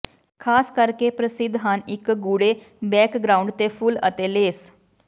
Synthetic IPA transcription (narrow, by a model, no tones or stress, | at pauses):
kʰaskəɾkepɾəsid̪ʱːɦanikːɡuɽe | bɛkɡɾauɳɖt̪efuːlə̰t̪eleːs